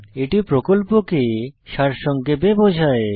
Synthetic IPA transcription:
eʈipɾokolpokeʃaɾʃɔŋkebebod͡ʑʱae

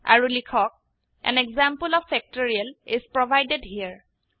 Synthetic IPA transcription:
a̰ɹulikʰɔk̚ | ɛ̰̃nɛɡzãmpəlɔffɛk̚tɔɹialɪzpɹɔbʱajdedɦiəɹ

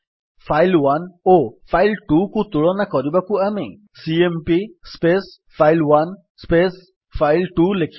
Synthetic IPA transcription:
fʰajlʋanofʰajlʈukut̪uɭɔnakɔɾibakuamḭ | siempispes | fʰailʋan | spes | fʰailʈulekʰ

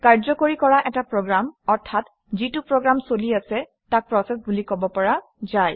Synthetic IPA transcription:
kaɹzɔkoɹikɔɹaʔɛtapɹɔɡɹamɔɹtʰːat | zitupɹɔɡɹamsoliasɛ | tak̚pɹɔsɛsbulikɔbɔpɔɹa | zaj

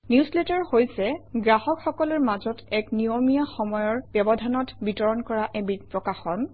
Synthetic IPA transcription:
njusletaɹhojsɛɡɹaɦɔkxɔkɔlɔɹmazɔtɛknijomijaxɔmɔjɔɹbjɔbɔdʱanɔtbitɔɹɔnkɔɹaʔɛbipɹɔkaxɔn

